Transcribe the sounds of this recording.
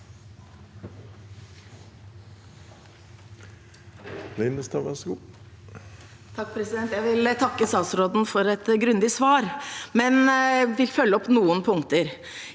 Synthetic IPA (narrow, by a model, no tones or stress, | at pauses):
lɛɪnəst̪ʰɑʋæsɡu | t̪ʰɑkːpʰɾɛsɪd̪ɛnt̪jæɪʋɪlt̪ʰɑkːəsɑːsɾoːd̪nfɔɾɛt̪ɡɾʉnd̪ɪsʋɑːɾmɛnʋɪlfœlːəɔpːnuːənpʰʊŋt̪əɾ